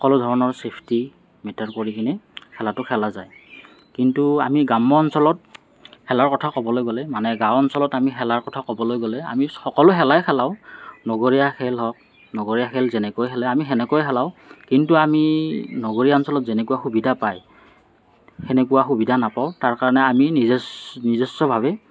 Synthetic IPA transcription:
xɔkɔlʊdʱɔɹɔnɔɹsepʰti | mɛtaɹkoɹikʰinɛkʰɛlatʊkʰɛlazaj | kintuamiɡamɔɔnsɔlɔt̚ | hɛlaɹkɔtʰakɔbɔlojɡolɛmanɛɡãwʊɔnsɔlɔtamixɛlaɹkɔtʰakɔbɔlojɡolɛa̰mixɔkɔlʊɦɛlajkʰɛlaʊnɔɡoɹijakʰɛlɦɔk̚ | nɔɡoɹijaxʰɛlzɛnɛkojɦɛlɛamiɦɛnɛkojɦɛlaʊkintuaminɔɡoɹijaɔnsɔlɔtzɛnɛkuaxubidʱapaj | xɛnɛkuwaxubidʱanapaʊtaɹkaɹɔnɛaminiznizisɔbʱaβɛ

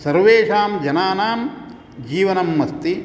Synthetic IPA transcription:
sɐɾʋeːʂaːmd͡ʒɐnaːnaːm | d͡ʒiːʋɐnɐmːɐst̪i

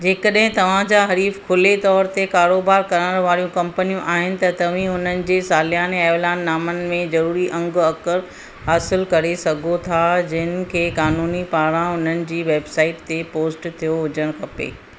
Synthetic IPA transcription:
d͡ʑeːkəɗɦɪ̃t̪ɐʋ̤ãd͡ʑaɦɐɾiːfkʰʊlet̪ɔːɾt̪ekaːɾoːbaːɾkɐɾənəɾʋaːɾijũkɐ̃mpənijũʔaːɦɪnɪ̆t̪ɐt̪ɐʋ̤ĩʊn̤ənɪ̆d͡ʑeːsaːlijaːneaːlaːnːaːmənɪ̆mẽzɐɾuːɾiʔɐ̃ŋɡɐkəɾ | ɦaːsɪlkɐɾesɐɡʱot̪ʰad͡ʑɪɦɪnɪ̆kʰeːkaːnuːnipaːɾãʊn̤ənɪ̆d͡ʑiːʋeːbsaːɪʈt̪epoːsʈt̪ʰijoɦʊd͡ʑəɽ̃kʰɐpḛː

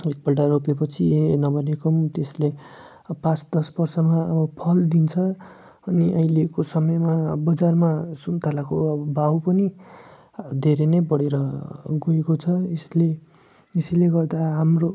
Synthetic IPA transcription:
ek̚bʌlʈaropepʌt͡sʰinʌbʌnekʌmt̪esle | pãt͡sd̪ʌsbʌrsʌmaʌbʌpʰʌld̪int͡sʰʌ | ʌniʔʌĩlekosʌmʌjmabʌd͡zarmasunt̪ʰalakoʌbʌbawpʌni | d̪ʱeɾenʌjbʌɽeɾʌɡoekot͡sʰʌesle | esileɡʌrd̪aɦamro

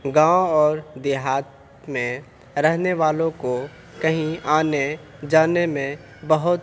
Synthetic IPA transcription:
ɡãːõɔːɾd̪eːɦaːt̪̚ | mẽ | ɾəɦneʋaːlõko | kɐɦĩʔaːne | d͡ʒaːnemẽ | bəɦʊt̪

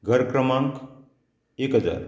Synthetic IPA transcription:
ɡʱəɾkɾəmãŋk | ekɦəd͡ʒa̰ɾ

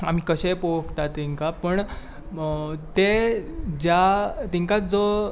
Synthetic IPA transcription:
am̤iːkəɕepokt̪at̪ːiŋkapəɳ | t̪e | d͡ʑjat̪iŋkad͡zo

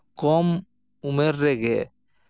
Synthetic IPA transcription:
kɔm | umɛɾːɛɡɛ

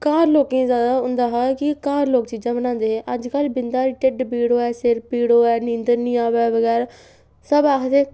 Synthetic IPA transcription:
kaːɾloːkẽːzjaːd̪aːʊ̃nd̪aːɦaːkɪkaːɾloːkt͡ʃiːd͡ʒãːbənãːnd̪eːɦeːʔəd͡ʒkəlbɪnd̪aːɾʈɪɖbiːɽoːɛːsɪɾpiːɽoːɛːnĩːnd̪əɾnĩːaːʋɛːʋəɡɛːɾ | səbaːkʰt̪eː

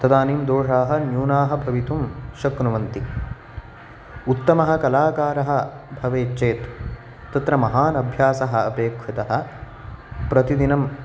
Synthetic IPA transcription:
t̪ɐd̪aːniːmd̪oːʂaːɦɐ̆njuːnaːɦɐ̆bʱɐʋit̪umʃɐknuʋɐnt̪i | ut̪ːɐmɐɦɐ̆kɐlaːkaːɾɐɦɐ̆bʱɐʋeːt͡ʃeːt̪ː | ɐt̪ɾɐmɐɦaːnɐbʱjaːsɐɦɐɐpeːkʰʋut̪ɐɦɐ̆ | pɾɐt̪id̪inɐm

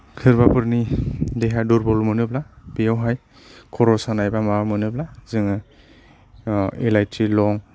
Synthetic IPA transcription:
kʰɯɾbapɯɾnideɦaduɾbɔlmɯnɯb̚labejawɦaj | kʰɔɾɔsanajbamawmɯnɯp̚lazɯŋɯ | ilajtɾilɔŋ

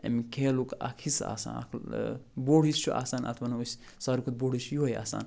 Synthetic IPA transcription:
ḛmikʰeːlukɐ̰kʰisa̰ːsa̰ːnɐ̰kʰboːɽist͡ʃʰuʔa̰ːsaːnʔɐ̰t̪ʰʋɐnɐusʲ | sɐɾukʰut̪̚boːɽisjuɦɐja̰ːsa̰ːn

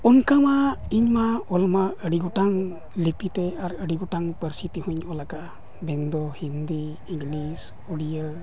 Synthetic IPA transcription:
ɔnkamaiɲmaɔlmaəɽiɡɔʈaŋ | lipit̪ɛaɾəɽiɡɔʈaŋpəɾsit̪ihuɲɔlakaʔ | bɛnd̪ɔhind̪iː | ŋlis | uɽijə

